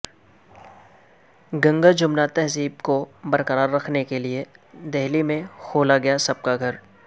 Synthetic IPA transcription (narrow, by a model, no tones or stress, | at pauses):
ɡɐ̃ŋɡəɾd͡ʒʊmnat̪ɛɦziːbkobɐɾkəɾaːɾːɐkʰnekelied̪ɛɦlimẽkʰoːlaɡɐjasɐb̚kaɡʱɐɾ